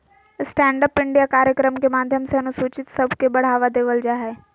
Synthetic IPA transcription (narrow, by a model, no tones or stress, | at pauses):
sʈɛ̃ːɳɖəpɪ̃ɳɖijakaːɾjəkɾəmkemaːd̪ʱjəmseɐnʊsoːt͡ʃɪt̪sɐbʱkebɐɽ̤aːʋad̪eːʋəld͡ʒaːɦɛː